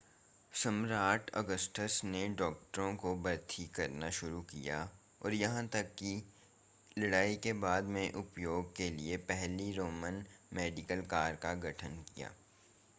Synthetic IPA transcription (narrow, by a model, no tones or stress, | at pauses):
sɐmɾaːʈʰɔ̰ɡəsʈəsneɖɔːk̚ʈəɾõkobɐɾt̪ʰikɐɾnaʃʊɾukija̰ | ɔ̰ːɾjɐɦãt̪ɐkːi | lɐɽaːikebaːd̪mẽʔʊpjoːɡ̚keliepɛɦliɾoːmənmeːɖɪkəlkaːɾkaɡʱɐʈʰənkija̰ː